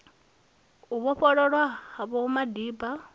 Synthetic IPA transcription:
uβɔɸɔɺɔɺwahaβɔumadiːba

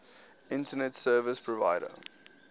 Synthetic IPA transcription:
ɪ̃ntənɛtsɜːvəspʰɹɔva̰ɪɾə̰

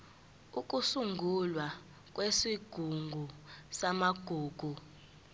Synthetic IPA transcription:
uk̬ʼusuŋɡʱulwa | k̬ʼwesiɡ̥ʱuŋɡʱusamaɡ̥ʱuːɡ̥ʱu

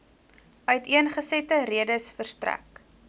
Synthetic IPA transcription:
œɥtiənχəsɛtəɾiədəsfərstræ̰k

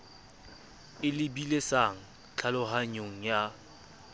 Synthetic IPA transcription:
ɪlɪbilesaŋ̩ | t͡ɬʰalʊɦaɲoŋ̩ja

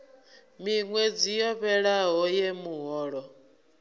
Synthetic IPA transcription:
miŋwɛd͡zijɔɸɛɺaɦɔjɛmuɦɔːɺɔ

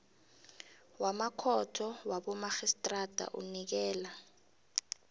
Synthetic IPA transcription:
wamakʰɔtʰɔwaɓɔmaxistʼrad̥ʱa̰ʔunik̬ɛːla

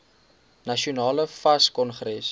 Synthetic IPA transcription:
nɐʃiunɑːləfɐskɔnχɾɛs

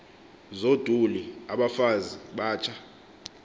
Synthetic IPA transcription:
zod̥ʱuliaɓafaziɓaːt͡ʃʰa

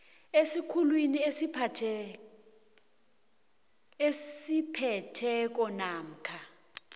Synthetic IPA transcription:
esikʰulwiniesitʰ | esipʰɛtʰɛk̬ɔnaːm̩kʰa

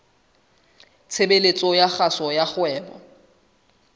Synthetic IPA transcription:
t͡sʰebelet͡sʼɔjaχasɔjaχwɛːbɔ̰

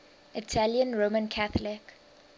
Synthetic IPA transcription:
ʔɪtʰaljə̃nɹomə̃nkʰaθəlɪk

